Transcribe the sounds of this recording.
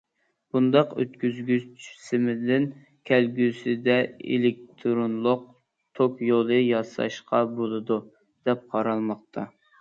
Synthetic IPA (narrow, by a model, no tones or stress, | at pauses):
b̥und̪ɑqø̰t̪kʲyzɡʲyt͡ʃʰy̥sɪmɪd̪ɪn | kʲʰɛlɡʲysɪd̪ɛḛlɪk̚t̪ʰɾonlˠʊq̚ | t̪ʰokjolˠɨjɑsɑ̰ʃqʰɑbolˠɨd̪u | d̪̥ɛp̚qʰɑɾɑlˠmɑqt̪ʰɑ